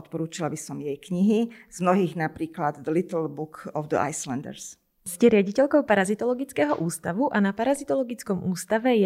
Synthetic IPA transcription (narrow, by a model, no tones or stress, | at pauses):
ɔt̪̚pɔɾuːt͡ʃilabisɔmjɛjkɲiɦiz̥mnɔɦiːɣnapɾiːklad̪d̪əlit̪l̩ˠbukɔvd̪ə̰ʔa̰jslɛnd̪ɛ̰ɾs | scɛɾɪaɟicɛʎkɔʊpaɾazit̪ɔlɔɡit͡skɛːɦɔʔuːst̪aʋuʔanapaɾazit̪ɔlɔɡit͡skɔmʔuːst̪aʋɛj